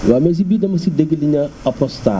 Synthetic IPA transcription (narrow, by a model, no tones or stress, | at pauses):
james̬ibidɐmɐsideɡiliɲaapɔsta̰